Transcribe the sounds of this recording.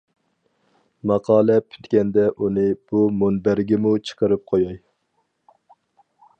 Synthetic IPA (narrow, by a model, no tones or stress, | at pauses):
mɑqʰɑːlˠɛpʰy̥t̪kʲɛnd̪ɛʔunɨb̥umonbæɾɡʲɛmut͡ʃʰə̥qʰəɾɨp̚qʰojɑj